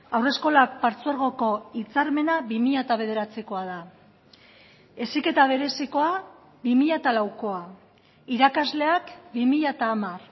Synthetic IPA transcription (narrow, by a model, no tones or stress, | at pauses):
awre̞sko̞lak̚paɾt͡suaɾɣ̞o̞ko̞it͡saɾme̞naβimiʎat̪aβ̞e̞ð̞e̞ɾat͡siko̞að̞a | e̞sike̞t̪aβ̞e̞ɾe̞siko̞a | bimiʎat̪alawko̞a | iɾakazle̞akbimiʎat̪aːmar